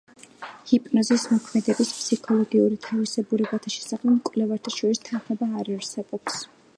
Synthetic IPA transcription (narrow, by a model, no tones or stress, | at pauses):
hipʼnɔzismɔkʰmɛd̪ɛbispʰsikʰɔlˠɔɡiuɾit̪ʰavisɛbuɾɛbat̪ʰaʃɛ̥saχɛmkʼwlɛvaɾt̪ʰaʃɔɾist̪ʰanχmɔbaːɾaɾsɛbɔps